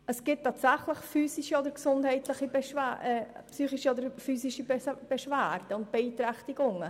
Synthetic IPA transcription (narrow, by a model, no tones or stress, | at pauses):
ʔəsɡ̥ɪt̚ʰːɑːtsæχləχfyːsiʃiɔdəɾksʊndhɛɪtlɪχibɛʃæpsyːχiʃiɔdəɾfyːsiʃib̥ɛʃvæːrd̥əʊnt̚b̥ɛiːtɾɛχtiɡʊŋə